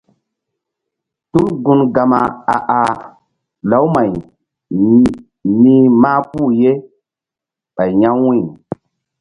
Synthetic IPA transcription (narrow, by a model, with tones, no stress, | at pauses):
tu˦mɡu˦nɡa˨ma˨a˨ʔa˨ | la˨˦wma˨j | ni˦maː˦pu˦˨je˦ | ɓa˨jɲa˦wĩ˦˨